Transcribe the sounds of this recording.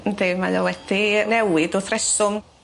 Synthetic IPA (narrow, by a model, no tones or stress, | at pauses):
demajawɛd̥inɛwɪdʊθrɛsʊm